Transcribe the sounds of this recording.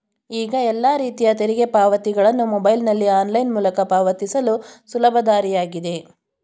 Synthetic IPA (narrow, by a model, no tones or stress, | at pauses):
iːɡɐɛlːaːɾiːt̪ijɐt̪eɾiɡe̞paːʋɐt̪iɡɐɭɐnːumɔbɐjlnɐlːiaːnlɐjnmuːlɐkɐpaːʋɐt̪isɐlusulɐbʱɐd̪aːɾijaːɡid̪e̞